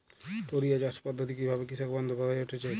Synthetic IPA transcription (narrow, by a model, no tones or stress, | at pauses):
t̪oɾijad͡ʒaspɔd̪ʱːɔt̪̬ik̬ibʱabekisakbɔnd̪ʱobad̪ajoʈʰet͡ʃʰe